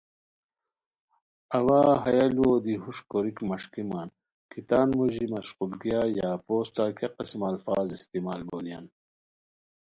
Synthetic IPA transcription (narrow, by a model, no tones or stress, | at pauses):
ɐwaːɦɐjaluoːd̪iɦuʂkoɾikmɐʂkimaːn | kit̪aːnmuʑimɐʃqulɡijaːjaːpoːsʈaːkʰeqismɐlfaːzist̪imaːlboːlja̰n